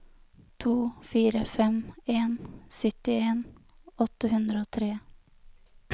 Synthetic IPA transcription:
t̪ʰuːfiːɾəfɛmeːnsœt̪ɪeːn | ɔt̪əɦʉnd̪ɾəoːt̪ʰɾeː

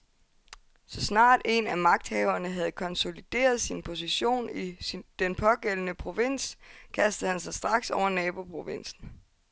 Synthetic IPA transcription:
sɒ̽snɑ̰̈ːd̥e̝næmɑ̈ɡ̥̚d̥hɛʊɐnəɦæð̞̩ˠkʰɒ̽nso̝lid̥e̝̰ːɐð̞ˠsinpʰo̝siɕo̝̰ːnid̥enpʰɒ̽ɡ̥el̰ənəpʰʁo̝ʋe̝n̰skʰæsd̥ð̩ˠhænsɑ̈ɪsd̥ʁɑ̈ɡ̥sɒʊ̰ɐnɛːb̥o̝pʰʁo̝ʋen̰sn̩

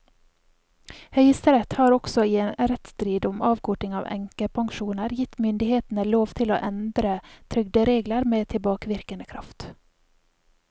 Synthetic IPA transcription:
hœʏəst̪əɾɛt̪hɑːɾɔksɔiːeːnɾɛt̪st̪ɾiːd̪ʊmɑːʋkʰɔʈɪŋɑ̰ːʋɛ̰ŋkəpʰɑŋʃuːnəɾjɪt̪mʏnd̪ɪheːt̪n̩əloːʋt̪ʰɪlo̰ːʔɛnd̪ɾət̪ʰɾʏɡd̪əɾeːɡləɾmeːt̪ʰɪlbɑːkəʋɪɾkənəkʰɾɑ̰ft̪

